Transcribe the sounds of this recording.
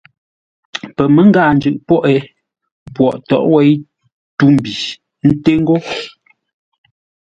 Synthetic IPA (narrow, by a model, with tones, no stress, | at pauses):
pɛ˨mɛ˨˦ŋ˦ɡa˦˨n̩˨d͡ʒʉ˨ʔpɔ˦ʔɛ˨˦ | pwɔ˨ʔtɔ̰˨ʔwɛ˦j | tu˦m˨bi˨ | n̩˦te˦ŋ˦ɡo˦